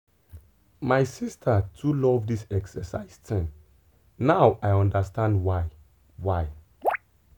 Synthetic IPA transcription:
maɪsistʰatʰulɔvdisɛksəsa̰ɪstʰɛ̃m | nawʔaɪɔ̃ndastãndwaɪ | waɪ

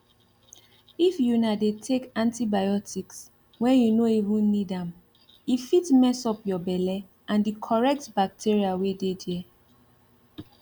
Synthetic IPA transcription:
ifjunadetʰekãntibajɔtʰiks | wɛ̃njunoivũnːidãm | ifitmɛsɔpjɔbɛlɛ | ãndikʰɔɹɛk̚tbak̚tʰiɹiawededɛ

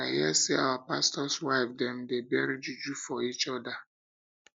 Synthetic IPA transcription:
aɪhiɛseawapastɔswaɪfdɛ̃mdebɛɾid͡ʒud͡ʒufɔit͡ʃɔda

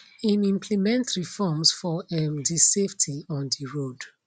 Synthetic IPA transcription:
ĩnĩmpʰlimɛ̃ntɹifɔmsfɔɛmdiseftʰiɔ̃ndiɹod

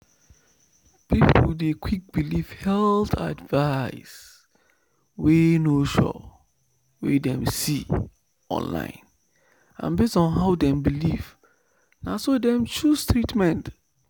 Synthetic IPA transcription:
pipʰʊldekwik̚bilifhɛltʰa̰dvas | wenoʃɔ̰ | wḛdɛ̃msi | ɔ̰̃nlã̰ɪ̃n | ã̰nbestɔ̃nɦaʊdɛ̃mbiliv | nasodɛ̃mt͡ʃustɹitmɛ̃nt

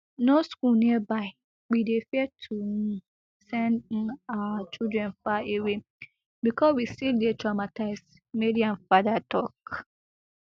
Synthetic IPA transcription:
noskulnĩɛbaɪ | widefiɛtʰuhũ | sɛ̃ñ̩aat͡ʃidɹɛ̃nfaewe | bikʰɔswistildetɹamatʰaɪs | meɾiãnfadatʰɔk

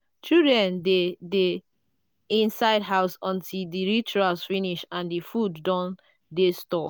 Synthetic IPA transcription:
t͡ʃildɹɛ̃ndede | ĩnsaɪdɦaʊsɔ̃ntʰildiɹit͡ʃualsfĩniʃãndifudːɔ̃n | destɔ

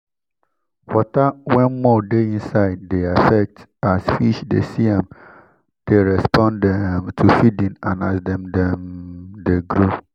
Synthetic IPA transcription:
wɔtawɛ̃nmɔdeĩnsaɪd̚deafɛk̚tasfiʃdḛsiɛ̃m | d̥eɾɛspʰɔ̃ndɛmtʰufidĩnãnasdɛ̃mdɛmdeɡɾu

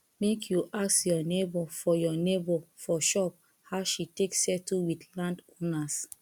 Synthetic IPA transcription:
mekʰjuʔaksjɔnebɔfɔjɔnebɔfɔʃɔp | haʊʃiteksɛtuwidlãndõnas

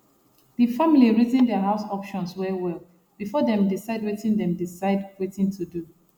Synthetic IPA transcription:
ðifamiliɹizĩndɛɦaʊsɔpʃɔ̃nswɛwɛk | b̥ifɔdɛ̃mdisaɪdwetĩndɛ̃mdisaɪdwetĩŋtʰudu

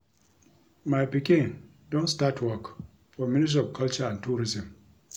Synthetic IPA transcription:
majpikɪŋ | dɔnstatʰwɔk | fɔmɪnɪs̬ɔvkɐlt͡ʃaantuːɾɪzɪ̃m

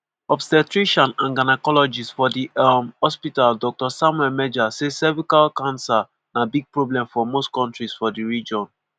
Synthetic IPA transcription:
ɔbsɛtɹiʃɔ̃nãnɡanakɔlɔd͡ʒisfɔdimhɔspitaldɔk̚tɔsãmwɛlmɛd͡ʒasesɛvikalkãnsa | nabiɡ̚pɹoblɛ̃mfɔmostkɔ̃ntɹisfɔdiɹid͡ʒɔ̃n

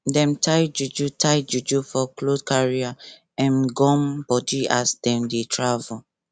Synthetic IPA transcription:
dɛ̃mtʰajd͡ʒud͡ʒutʰajd͡ʒud͡ʒufɔklodkaɹia | ãnɡɔ̃mbɔdiasdɛ̃mdetʰɹavul

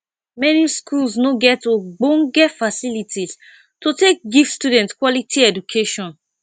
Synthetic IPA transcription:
mɛniskʰulsnoɡɛtːoɡ͡bõnɡɛtfasilitʰis | totek̚ɡivstudɛ̃ntkwɔlitʰiɛdukʰeʃɔ̃n

